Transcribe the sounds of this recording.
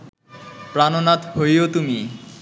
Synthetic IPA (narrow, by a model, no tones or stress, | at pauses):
pɾanonat̪ɦojot̪umi